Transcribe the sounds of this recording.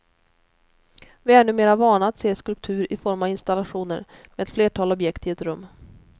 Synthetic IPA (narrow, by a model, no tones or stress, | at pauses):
vɪɛɳɵmeːɾavɑːɳaːt̪seːskɵlp̚t̪ʰʉ̟ːɾɪfɔɾmaɪnst̪alaɧuːnə̰ɾ | meɛt̪fleːʈʰɑːlɔbjɛkt̪ɪɛt̪ɾɵmː